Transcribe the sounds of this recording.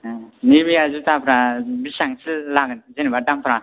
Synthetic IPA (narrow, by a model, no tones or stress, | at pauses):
nibijazutʰapʰɾabisaŋsilːaɡɯnzenibadampʰɾa